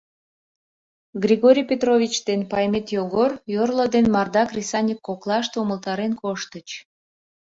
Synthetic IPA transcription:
ɡrʲiɣoɾʲijpʲet̪rovʲit͡ɕd̪enpɑjmet̪joɣorjorlod̪enmɑrd̪ɑkrʲisɑnʲikːoklɑʃt̪uməlt̪ɑɾenkoʃt̪ət͡ɕ

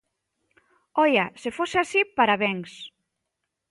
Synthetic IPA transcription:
ɔjasefoseasipaɾaβɛŋs

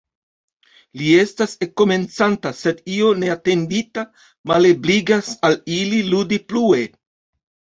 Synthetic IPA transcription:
lie̞stasekːo̞me̞nt͡santase̞dio̞ne̞ate̞ndita | malebliɡasalililudiplue̞

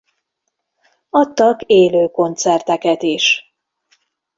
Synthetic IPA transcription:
ɒt̪ːɒkeːløːko̞nt̪sɛrt̪ɛkɛt̪iʃ

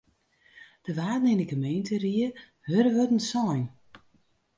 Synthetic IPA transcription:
d̥əʋaːdnɪndəɡəmejntəriə | høɾəʋødən̩sɔjn

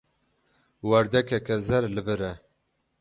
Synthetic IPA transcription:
wɛɾd̪ɛkʰɛkɛzɛɾlɨbɨɾɛ

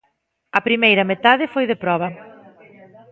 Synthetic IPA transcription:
ɐpɾimejɾɐmet̪aðɪfojðepɾɔβɐ

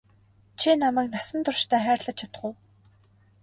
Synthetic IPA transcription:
t͡ɕʰinamæːknasə̆nt̪ʊrʃt̪ʰæːχæːrɮə̆t͡ɕt͡ɕʰat̪ə̆ʊ̆w

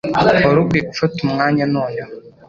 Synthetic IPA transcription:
ɔɾukekfətumŋaɲanɔjɔ

